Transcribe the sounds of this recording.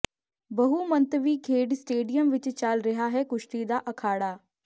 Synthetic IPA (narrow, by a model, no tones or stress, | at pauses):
bɐɦumə̃nt̪ʋiːkʰeːɖsʈeːɖijəmʋɪt͡ʃt͡ʃalɾɐɦaɦɛːkʊʃʈid̪aːʔɐkʰaːɽaː